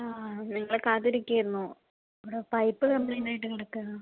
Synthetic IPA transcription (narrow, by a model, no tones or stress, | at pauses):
aːniŋːɐɭkaːt̪iɾikʲːɐjiɾunːu | ɐʋiɽepɐjpːɨkɐmbɭeːnaːjiʈːɨkiɽɐkːaː